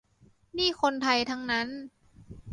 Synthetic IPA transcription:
niː˥˩xʰo˧nt̪ʰa˧jt̪ʰa˦˥ŋna˦˥n

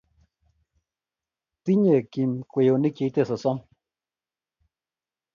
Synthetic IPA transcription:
t̪i˦ɲe˨ki˧˨mkʷe˧˨jo˨ni˦kje˧˦t̪e˦˨so˨sɔ˦m

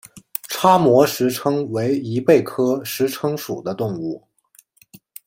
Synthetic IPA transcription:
ʈ͡ʂʰa˥mwɔ˧˥ʂɻ̩˧˥ʈ͡ʂʰɤ˥ŋwe˧˥ɪi˧˥pe˥˩ɪkʰɤ˥ʂɻ̩˧˥ʈ͡ʂʰɤ˥ŋʂṵ˨˩d̪ə˦t̪ʊ˥˧ŋu˥˩

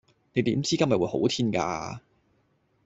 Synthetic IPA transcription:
ne˨˧jt̪iː˨˥mt͡siː˥kɐ˥nmjɐ˨t̚uː˨˧jho̰˨˥wt̪ʰiː˥nka̰ː˧

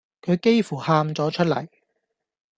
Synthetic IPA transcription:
kʰɵ˨˧ɥke˥jfuː˨˩haː˧mt͡sɔː˨˥t͡ʃʰɵ˥t̚lɐ̰˨˩j

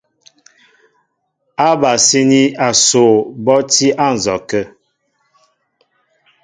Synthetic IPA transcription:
a˦ba˨si˦ni˦a˨so˨bɔ˦ti˦ʔa˦˨n̩˨zɔ˨kə˦

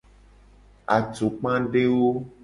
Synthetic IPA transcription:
a˨t͡ʃo˨k͡pã˦ɖe˦wo˦

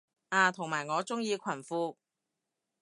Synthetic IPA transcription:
ʔaː˨˧t̪ʰʊ˨˩ŋmaː˨˩jŋɔː˨˧t͡sʊ˥ŋjiː˧kʷʰɐ˨˩nfuː˧

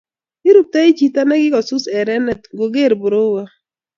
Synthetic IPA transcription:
ɪ˦ɾʊ˦˨p̚t̪a˦i˦t͡ʃi˨t̪a˦nɛ˦ɡɪ˦ɡɔ˨sʊ˦sɛ˨ɾɛ˦nɛ˨t̪̚ɡo˨ɡe˦˨ɾbʊ˨ɾo˦wa˦

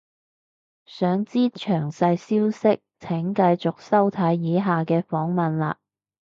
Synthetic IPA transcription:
sœː˨˥ŋt͡siː˥t͡ʃʰœː˨˩ŋsɐ˧jsiː˥wsɪ˥k̚t͡sʰɪ˨˥ŋkɐ˧jt͡sʊ˨k̚sɐ˥wt̪ʰɐ˨˥jːiː˨˥ɦaː˨kɛː˧fɔː˨˥ŋmɐ˨nla̰ː˧

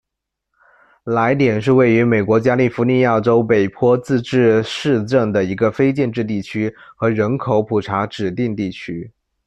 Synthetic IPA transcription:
la˧˥ɪt̪jɛ˨˩nʂɻ̩˥˧we˥˩ɪy˧˥me˨˩ɪkwɔ˧˥t͡ɕja˥li˥˩fu˧˥ni˥˧ja˥˩ʈ͡ʂo˥ʊpe˨˩ɪpʰwɔ˥t͡sɹ̩˥˧ʈ͡ʂɻ̩˥˧ʂɻ̩˥˧ʈ͡ʂɤ˥˩ŋd̪ə˩i˧˥ɡə˧fe˥ɪt͡ɕjɛ˥˧nʈ͡ʂɻ̩˥˧t̪̬i˥˩t͡ɕʰy˥xɤ˧˥ɻə˧˥nkʰo˨˧˥ʊpʰu˨˩ʈ͡ʂʰa˧˥ʈ͡ʂɻ̩˨˩t̪i˥˧ŋt̪i˥˩t͡ɕʰy˥

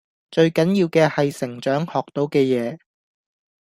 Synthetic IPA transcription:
t͡ʃɵ˧ɥkɐ˨˥njiː˧wkɛː˧hɐ˨jsɪ˨˩ŋt͡ʃœː˨˥ŋhɔː˨k̚t̪o˨˥wkɛː˧jɛː˨˧

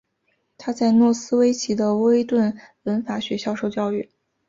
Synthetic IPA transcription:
t̪ʰa˥t͡sa˥˧ɪnwɔ˥˩sɹ̩˥we˧˥ɪt͡ɕʰi˧˥d̪ə˧wɔ˥e˥ɪt̪wə˥˩nwə˧˥nfa˧˥ɕɥɛ˧˥ɕjɑ˥˧ʊʂo˥˧ʊt͡ɕjɑ˥˧ʊy˥˩

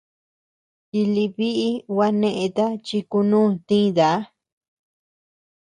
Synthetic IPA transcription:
i˧li˧βi˦ʔi˦wa˧nẽ˧ʔẽ˧t̪a˦t͡ʃi˧ku˧nũː˦˨t̪ĩ˦˧ða˨˦

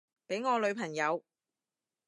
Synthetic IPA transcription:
pe˨˥jŋɔː˨˧lɵ˨˧ɥpʰɐ˨˩ŋjɐ˨˧w

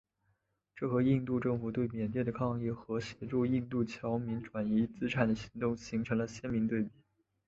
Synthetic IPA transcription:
ʈ͡ʂɤ˥˩xɤ˧˥i˥˧nt̪u˥˧ʈ͡ʂɤ˥˩ŋfu˨˩t̪we˥˩ɪmjɛ˨˩nt̪jɛ˥˩d̪ə˩kʰɑ˥˧ŋi˥˩xɤ˧˥ɕjɛ˧˥ʈ͡ʂu˥˧i˥˧nt̪u˥˩t͡ɕʰjɑ˧˥ʊmi˧˥nʈ͡ʂwa˨˩ni˧˥t͡sɹ̩˥ʈ͡ʂʰa˨˩nd̪ə˦ɕi˧˥ŋt̪ʊ˥˩ŋɕi˧˥ŋʈ͡ʂʰɤ˧˥ŋlə˧ɕjɛ˥nmi˧˥ŋt̪we˥˩ɪpi̥˨˩˦

